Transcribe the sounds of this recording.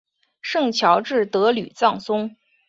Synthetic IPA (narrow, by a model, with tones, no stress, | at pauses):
ʂɤ˥˩ŋt͡ɕʰjɑ˧˥ʊʈ͡ʂɻ̩˥˩t̪ɤ˧˥ly˨˩t͡sɑ˥˩ŋsʊ˥ŋ